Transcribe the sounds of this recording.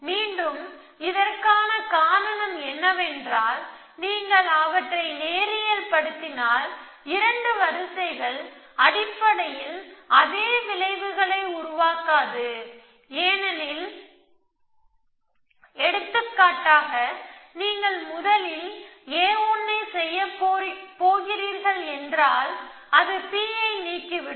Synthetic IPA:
miːɳɖɯm | ɪðɐrkaːnɐkaːɾɐnɐmɛnːɐʋɛndraːl | niːŋɡɐɭɐʋɐʈrɐɪneːɾɪjɐlpɐɽɯt̪ːɪnaːl | ɪɾɐɳɖɯʋɐɾɯsɐɪɣɐɭ | ɐɽɪpːɐɽɐjɪlɐðeːʋɪlɐɪʋɯɣɐɭɐɪʊɾʊʋaːkaːðɯ | eːnɐnɪl | ɛɽɯt̪ːɯkːaːʈːaːɣɐniːŋɡɐɭmʊðɐlɪleːuːnːɐɪsɛjːɐppoːɣɪɾiːɾɣɐɭɛndraːl | ɐðɯpiːɐɪniːkːɪʋɪ

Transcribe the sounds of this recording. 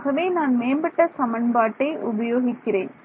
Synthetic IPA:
ɣɐʋeːnaːnmeːmbɐʈːɐsɐmɐɳbaːʈːɐɪʔʊbɐjoːɣɪkːɪrḛːn

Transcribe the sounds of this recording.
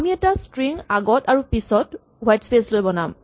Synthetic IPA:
amiɛtastɹiŋaɡɔtaɹupisɔt | wajtspeslojbɔnam

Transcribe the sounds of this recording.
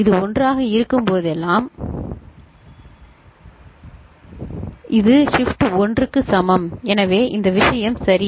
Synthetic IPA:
ɪðɯɔndraːɣɐɪɾɯkːɯmpoːðɛlːaːm | ʔɪðɯʂɪfʈɔndrɯkːɯsɐmɐmɛnɐʋeːʔɪnd̪ɐʋɪʂɐjɐmsɐɾɪ

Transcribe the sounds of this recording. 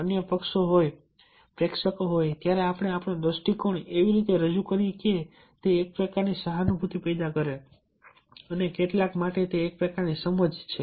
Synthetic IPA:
ənjəpəkʃoɦoj | pɾekʃəkoɦojt̪jaɾeapɽ̃eapɳod̪əsʈikoɳeʋiɾit̪eɾəd͡ʒukəɾike | t̪eːk̚pɾəkaɾnisəɦanubʱut̪ipɛjd̪akəɾe | ənekeʈlakmaʈet̪eːk̚pɾəkaɾnisəməd͡ʒt͡ʃʰe

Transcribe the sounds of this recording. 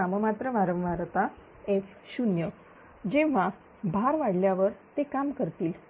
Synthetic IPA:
aməmat̪ɾəʋaɾə̃ʋʋaɾt̪a | ef | ɕunjə | d͡ʑẽʋ̤a | bʱaɾʋaɽljaʋəɾt̪ekamkəɾt̪iːl

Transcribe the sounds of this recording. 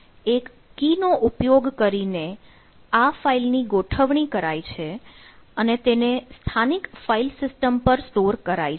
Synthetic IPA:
ekː | inoʔupjoɡkəɾine | afailniɡoʈʰəʋɳikəɾait͡ʃʰeənet̪enest̪ʰanikfailsɪsʈəmpəɾsʈoɾkəɾa̰i

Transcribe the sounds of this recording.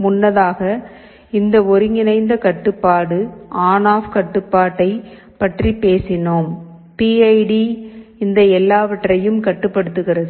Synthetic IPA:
mʊnːɐðaːɣɐ | ɪnd̪ɐɔɾɯŋɪnɐɪnd̪ɐkɐʈːɯpːaːɽɯaːnaːfkɐʈːɯpːaːʈːɐɪ | pɐʈripeːsɪnoːm | piːɐɪɖiɪnd̪ɐɛlːaːʋɐʈrɐjɯmkɐʈːɯpːɐɽɯt̪ːɯɣɪrɐðɯ

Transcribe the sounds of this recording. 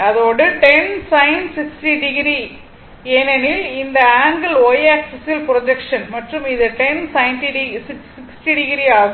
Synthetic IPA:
ɐðoːɽɯʈɛnsɐɪnsɪksʈiɖɪɡɾi | eːnɛnɪlɪnd̪ɐaːŋɡɐloːjaːksɪsɪlpɪɾɔd͡ʒɛkʂɐnmɐʈrɯmɪðɯʈɛnsɐɪnʈiɖisɪsɪksʈiɖɪɡɾiaːɣ

